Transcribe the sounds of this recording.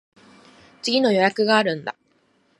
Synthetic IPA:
t͡sɨɡʲino̞jo̞jakɯ̟ɡaːɾɯ̟̃nd̪a

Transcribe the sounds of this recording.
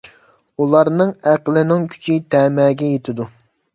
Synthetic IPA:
ulˠɑɾnɨŋæqlˠɪnɪŋkʲʰy̥t͡ʃʰit̪ʰɛːmɛːɡʲɛjet̪ʰɪd̪u

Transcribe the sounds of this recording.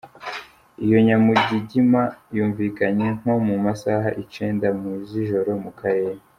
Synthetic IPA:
ijo̞ɲamuɟiɟimajuːɱviːkaɲe̞ŋ̥ho̞mumasaɦa̰ʔit͡ʃe̞ːndamuziʒo̞ɾo̞mukaɾe̞ːɾa

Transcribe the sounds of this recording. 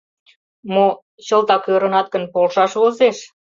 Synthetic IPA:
mo | ɕəlt̪ɑkøɾə̆nɑt̪̚kə̆npolʃɑʃβozeʃ

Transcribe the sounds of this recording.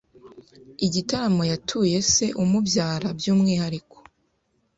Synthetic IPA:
iɟitaɾamo̞jatʰuje̞se̞ʔumubjaːɾabjuːmŋiːhaɾiko̥

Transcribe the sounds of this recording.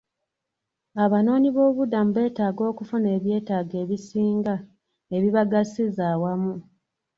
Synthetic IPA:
aβano̞ːɲiβo̞ːβudamuβe̞ːtaːɡo̞ːkufune̞ːβje̞ːtaːɡe̞ːβisiːŋɡa | e̞βiβaɡasizaːwamu

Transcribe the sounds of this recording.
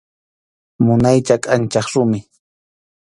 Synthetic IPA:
mʊnajt͡ʃakʼant͡ʃɑχɾʊmɪ

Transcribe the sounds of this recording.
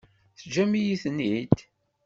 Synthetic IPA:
θd͡ʒæmijiθnid̪

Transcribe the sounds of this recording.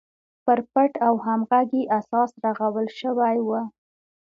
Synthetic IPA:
pəɾpaʈawhamɣaɡiʔasɑsɾaɣawəlʃəwajwə

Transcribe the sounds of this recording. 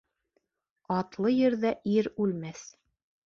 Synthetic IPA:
ɑt̪lˠɤjɘ̆ɾðæʔiɾʉlmæθ

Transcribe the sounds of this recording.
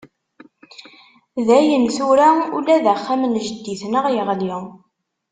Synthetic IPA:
ðæjənθuɾæṵlæðæχːæmənʒəd̪ːiθnəʁjəʁli

